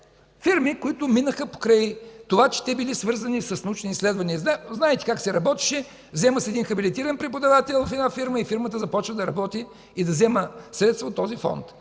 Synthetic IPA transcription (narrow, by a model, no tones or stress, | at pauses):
fiɾmikoit̪ʊminəxəpo̥kɾajt̪ovat͡ʃɛ̥t̪ɛbilisvɤɾzɐnisɐsnɐut͡ʃniislɛd̪vɐniəaznaɛt̪ɛ̥kaksɛɾɐbɔt̪i̥ʃɛ | vzɛməsɛd̪inxɐbilit̪iɾɐnpɾɛpod̪ɐvat̪ɛlˠvɐfɛd̪afiɾməifiɾmət̪əzɐpɔt͡ʃvəd̪ɐɾɐbɔt̪iː | d̪ɐzɛməsɾɛt̪st̪vot̪ːɔzifɔ̰nt̪